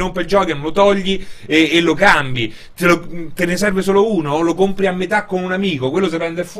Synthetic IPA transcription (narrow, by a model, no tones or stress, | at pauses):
nompeld͡ʒɔːkenlot̪ɔʎːieːlːokambji | t̪elot̪enesɛrves̬oːlouːnolokompɾiamːet̪akːonunamiːkokwelːos̬epɾɛnd̪erf